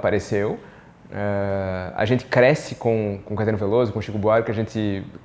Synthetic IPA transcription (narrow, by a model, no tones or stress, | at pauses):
paɾesew | ɛɐ̰ʒẽnt̪ɪ̥kɾɛsɪkõkõkat̪ɐ̃ɾnʊvelozʊkõʃikʊbuaɾkɪɐʒẽnt̪ɪ